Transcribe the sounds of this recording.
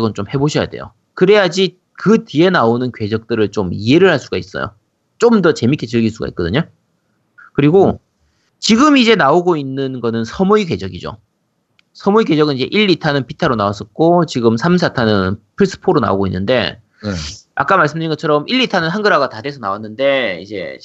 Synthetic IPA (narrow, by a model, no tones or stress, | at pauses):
ɡʌnt͡ɕomhe̞boɕʰʌja̰de̞̰jo̰ | kɯɾe̞jad͡ʑi | kɯtie̞naonɯnkɥe̞d͡ʑʌk̚t͈ɯɾɯɭt͡ɕomie̞ɾɯɭhaɭs͈uɡais͈ʌ̰jo̰ | t͡ɕ͈omdʌt͡ɕe̞mikʰet͡ɕɯɭɡiɭs͈uɡa̰ḭt̚k͈ʌdɯɲo | kɯɾiɡo | t͡ɕiɡɯmid͡ʑe̞naoɡoinːɯnɡʌnɯnsʰʌmuikɥe̞d͡ʑʌɡid͡ʑo̰ | sʰʌmuiɡe̞d͡ʑʌɡɯnid͡ʑe̞̰ʔiɭːitʰanɯnpitʰaɾonawas͈ʌt̚k͈ot͡ɕiɡɯmsʰams̬ʰatʰanɯnpʰɯɭs͈ɯ̥pʰoɾona̰oɡoinːɯnde̞̰ | a̰k͈amaɭs͈ɯmndɯɾinŋɡʌt͡ɕʰʌɾʌmʔiɭːitʰanɯnɦanɡɯɾaɡatadesʰʌnawanːɯnde̞ḭd͡ʑe̞̰